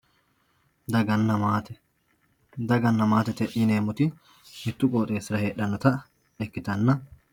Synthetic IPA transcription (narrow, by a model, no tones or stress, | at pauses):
d̪ɐɡɐnːɐmaːt̪ɛ | d̪ɐɡɐnːɐmaːt̪ɛt̪ɛʔineːmʊt̪ɪ | mɪt̪ːʊkʼoːt̪ʼe̞ːsɪɾɐheːɗːɐnːɐt̪ɐ | ɛkːɪt̪ɐnːɐ